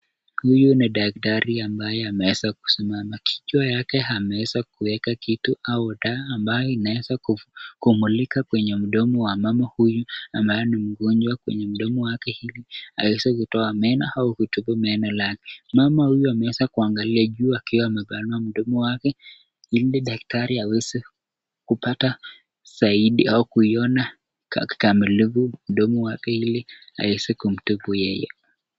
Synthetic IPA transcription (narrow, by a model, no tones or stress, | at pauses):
hujuniɗak̚taɾiambajɛamɛɛzaku̥simamakʰi̥t͡ʃwajakɛɦamɛɛzakuwɛkakituauɗaːmbajɔinaɛzakukumulikakwɛɲɛm̩ɗɔmɔwamamahujuambajɔnim̩ɡɔnd͡ʒwakwɛ̰ɲɛm̩ɗɔmɔwakɛhiliaɛzakutɔamɛnahaukutubumɛnalakɛ̥mamahujuamɛɛsakuaŋɡaliaʄuːakiɔamɛɓanuam̩ɗɔmɔwakɛ | iliɗak̚taɾiawɛsi | kupata | saiɗiaukuiɔna | ki̥kamilivum̩ɗɔmɔwakɛhilia̰wɛsɛkum̩tupujɛjɛ̰